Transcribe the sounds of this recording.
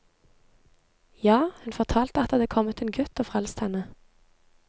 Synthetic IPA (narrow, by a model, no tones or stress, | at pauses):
jɑːhʉnfɔʁt̪ʰɑːlt̪əɑt̪d̪əd̪eːkʰɔmət̪eːnɡʉt̪oːfʁɛlst̪hɛnə